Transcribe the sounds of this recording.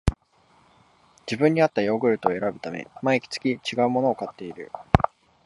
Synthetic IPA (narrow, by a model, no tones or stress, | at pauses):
d͡ʑibɯ̟̃ɲ̟ːiat̪ːajo̞ːɡɯ̟ɾɯ̟t̪o̞e̞ɾabɯ̟t̪amḛmaeikʲi̥t͡sɨ̥kʲit͡ɕiɡaɯ̟mo̞no̞ːkat̪ːe̞iɾɯ̟̰